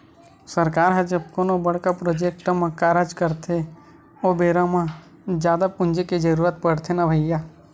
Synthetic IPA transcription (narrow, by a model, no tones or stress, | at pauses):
səɾkaːɾɦɛ̃d͡ʒəb̚konobəɽ̤kapɾod͡ʒek̚ʈmãkaɾad͡ʒkəɾt̪ʰe | obeːɾãmã | d͡ʒjaːd̪apʊ̃nd͡ʒekid͡ʒəɾuːɾət̪̚pəɽ̤t̪ʰenabʱəjja